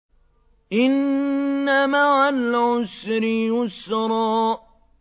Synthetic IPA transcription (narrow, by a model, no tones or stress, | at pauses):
ʔɪnː | amaʕalʕʊsɾɪjʊsːɾˤɑːʔ